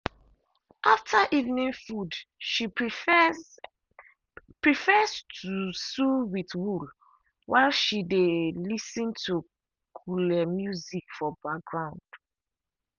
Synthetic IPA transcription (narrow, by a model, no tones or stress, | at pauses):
ʔaftʰaʔivnĩnfudʃi | pɹifɛstʰusuwiθwul | waɪlʃidelisĩntu | kʰulɛmjuzikfɔbak̚ɡɹãʊ̃nd̥